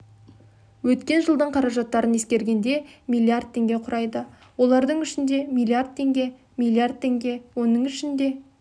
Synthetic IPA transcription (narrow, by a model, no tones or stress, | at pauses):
wɵt̪kʲe̞nʒəlˠd̪əɴqʰɑɾɑʒɑt̪ːɑɾəne̞skʲe̞ɾɡʲe̞nd̪e̞mijlʲːˠiard̪̚t̪ʰːe̞ŋɡʲe̞qʰʊɾʔɑjd̪ə | wo̞lˠɑɾd̪əɴʏʃɪnd̪e̞milʲˠiard̪̚t̪ʰe̞ŋɡʲe̞ | milˠiard̪̚t̪ʰːe̞ŋɡʲe̞wo̞nəɴʏʃɪnd̪e̞